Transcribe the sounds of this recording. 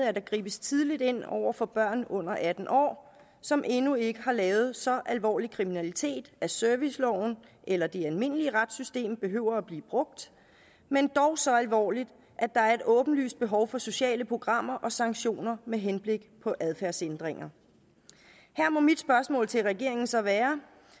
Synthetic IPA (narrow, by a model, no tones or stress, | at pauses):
ð̩ˠæɐd̥ɑ̈ɡ̥ʁḭːb̥əst͡sʰið̞ˠlid̥e̝n̰ɒ̰ʊ̰ɐfɒ̽b̥ɶɐ̰nɔ̽n̰ɐʔæd̥n̩ʔɒ̰ː | sɒ̽mʔe̝nue̝ɡ̥əɦɑ̈lɛːʊð̞̩ˠsɒ̽ʔælʋɒ̰ːlikʰʁiminælit͡sʰe̝̰ːd̥æsøɐʋislɒʊ̰n̩ | ʔelɐd̥eælme̝n̰əliəʁad̥sysd̥e̝̰ːmb̥e̝ɦøʊ̰ɐæb̥lḭːb̥ʁɔ̽ɡ̥̚d̥ | mend̥ɒʊsɒ̽ælʋɒ̰ːlid̥ | ʔæd̥ɑ̈æɐe̝dɔ̽ːb̥n̩ly̰ːsd̥̚b̥e̝ɦɒʊfɒ̽so̝ɕɛ̰ːləpʰʁo̝ɡ̥ʁɑ̈m̰ɐʔɒ̽sɑ̈ŋɡɕo̝̰ːnɐmeɦenb̥le̝ɡ̥pʰɒ̽ʔæð̞ˠfæɐsend̥ʁeŋɐ | hæɐ̰mɒ̽mid̥sb̥ɶɐsmɔ̰̽ːlt͡sʰe̝lʁɛɡ̥e̝ɐe̝ŋn̩sɒ̽ʋæːɐ